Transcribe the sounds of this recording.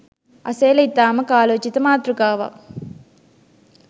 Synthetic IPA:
ɐ̰seːlɐit̪ːaːmɐkaːloːt͡ʃit̪ɐmaːt̪ɾukaːʋa̰

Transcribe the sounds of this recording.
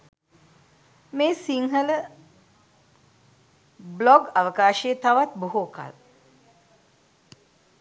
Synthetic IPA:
meːsiŋɦələ | blɔɡaʋəkaːʃeːt̪aʋat̪buɦoːka̰l

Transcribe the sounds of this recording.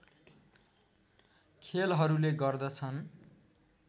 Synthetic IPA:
kʰelɦʌɾuleɡʌrd̪ʌt͡sʰʌn

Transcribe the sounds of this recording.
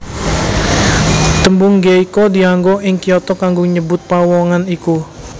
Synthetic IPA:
t̪əmbuŋɡeikɔdiaŋɡɔʔɪŋkiɔt̪ɔkaŋɡoɲəbʊt̪̚pawɔŋaniku

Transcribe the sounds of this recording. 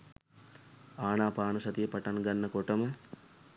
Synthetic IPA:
aːnaːpaːnɐsɐt̪ijəpɐʈanɡanːɐkoʈəmə

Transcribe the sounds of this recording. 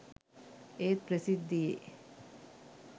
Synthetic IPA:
eːt̪̚pɾəsid̪ːijḛː

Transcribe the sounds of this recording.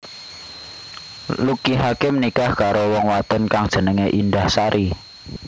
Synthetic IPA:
lukiɦakemənikahkaɾowɔŋwat̪ənkaŋd̥ʒ̥ə̤nəŋeʔindahsaɾʔi

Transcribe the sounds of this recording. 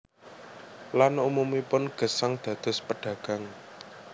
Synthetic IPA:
lanumumipʊnɡ̥ə̤saŋd̪̥ä̤d̪̥ʊ̤spəɖ̥ä̤ɡ̥a̤ŋ

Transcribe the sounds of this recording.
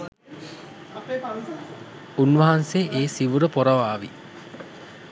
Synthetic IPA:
unʋɐɦanseʔeːsiʋuɾəpoɾəʋaːʋḭ

